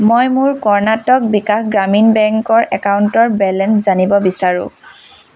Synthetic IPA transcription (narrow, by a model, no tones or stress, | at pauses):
mojmʊɹkɔɹnatɔk̚bikaxɡɹaminbɛŋkɔɹʔɛkawntɔɹbɛlɛnszanibɔbisaɹʊ̰̃